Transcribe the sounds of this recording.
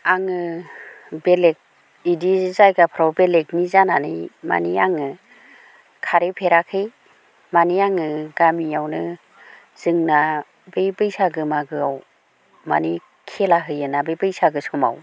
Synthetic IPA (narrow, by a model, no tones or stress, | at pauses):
aŋɯ | belek̚ | idizajɡapʰɾawbelek̚nizananɯjma̰niaŋɯ | kʰaɾepʰeɾakʰɯj | maniaŋɯɡamiawnɯ | z̥ɯŋna | bejbɯjsaɡɯmaɡɯaw | ma̰ni | kʰelaɦɯjɯnabɯjbɯjsaɡɯsuma̰w